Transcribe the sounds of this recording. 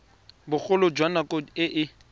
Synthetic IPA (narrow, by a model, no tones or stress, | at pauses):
bʊk͡xʊlʊd͡ʒwanakɔɪʔɪ